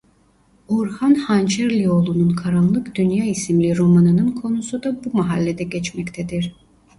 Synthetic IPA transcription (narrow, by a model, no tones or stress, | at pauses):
uɾhanhant͡ʃʰɛɾlʲio̞lˠununkʰaɾamlˠɯkd̪̥ynjaːisimlʲiɾo̞manɯnɯnkʰo̞nusud̪abumaɦalʲːed̪ɛɟɛt͡ʃmɛct̪ʰɛd̪iɾ̥